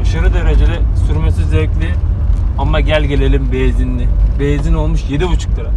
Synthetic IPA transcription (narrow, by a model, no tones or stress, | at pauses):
aʃaɾɯd̪eɾed͡ʒed̪ʲɛsyɾmesizɛklʲiamːaɟælʲɟe̞lʲe̞lʲimbejzinːʲibejzino̞lˠmuʃjed̪ibut͡ʃʰɯ̥k̚t̪ʰɯɾa